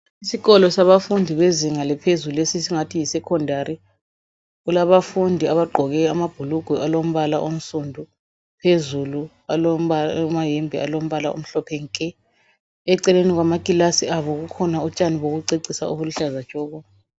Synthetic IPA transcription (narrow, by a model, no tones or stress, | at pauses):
isiɣɔlɔsaβafundʱiβeziŋalɛpʰezuluesisiŋatʰijisɛkʰɔndʱari | ulaβafundʱiaβaɡ͡ǃʱɔɣɛamab̥ʱuluɡ̥ʱwuʔalom̩βalaʔom̩sundʱu | pʰezulu | aomajembʱia̰lom̩βalao̰m̩ɬɔpʰɛŋkʼɛ | ɛǀɛleniɣwamakʼilasiaβɔɣukʰɔnaut͡ʃʼaniβoɣuǀeǀisa̰ṵβuluɬazḁt͡ʃʼɔːɣɔ